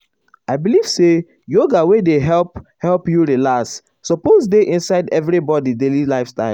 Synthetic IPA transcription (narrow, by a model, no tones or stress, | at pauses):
aɪbiliv̥se | joɡawedeɦɛlphɛlpjuɹilasː | ɔposdeʔĩnsaɪdɛvɾibɔdidelilaɪfstaɪl